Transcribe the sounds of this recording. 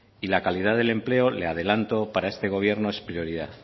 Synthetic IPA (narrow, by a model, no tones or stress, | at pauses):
ilakalið̞aðe̞le̞mple̞ole̞að̞e̞lant̪o̞paɾaest̪e̞ɣ̞o̞β̞je̞ɾno̞e̞spɾjo̞ɾiðaθ